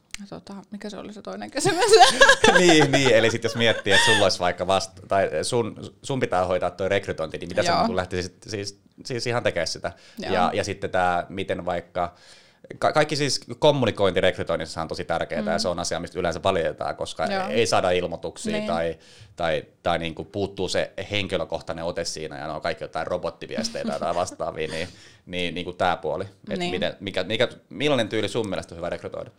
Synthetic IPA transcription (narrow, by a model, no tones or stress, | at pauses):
t̪ot̪ɑmikæseo̰liset̪oineŋkæsimæsniːniːelisit̪josmiet̪ːiːet̪sulːoisʋɑikːɑʋɑst̪t̪ɑisunsumpit̪æːhoit̪ɑːt̪t̪ːoirekryt̪oint̪iniːmit̪æseulæht̪issit̪siːs | siːsihɑnt̪ekeːssit̪æjɑ̰jɑsit̪ːet̪æːmit̪enʋɑikːɑ | kɑkɑikːisiːskomːunikoint̪irekryt̪oinishɑnt̪osit̪ærkeːt̪æjɑseonɑsiɑmist̪ylensæʋɑljet̪ɑ̰ːkoskɑeisɑːdɑilmot̪uksḭːt̪ɑi | t̪ɑit̪ɑiniːŋkupuːt̪ːuːsḛheŋkiløkoht̪ɑneot̪essḭːnæ̰jɑ̰no̰ikɑikːijot̪ɑirrobot̪ːiʋiæ̰st̪ḛit̪æ̰t̪ɑiʋɑst̪ɑ̰ːʋḭːniː | niːniːŋkutt̪æːpuoliḛt̪mit̪ḛnmikæmikæmilːɑnent̪yːlisummiælest̪ohyʋærekryt̪o̰inɑ̥